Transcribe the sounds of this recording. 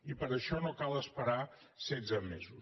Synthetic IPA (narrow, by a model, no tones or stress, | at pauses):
ipəɾəʃɔnokalˠəspəɾa | sɛd͡zəmezus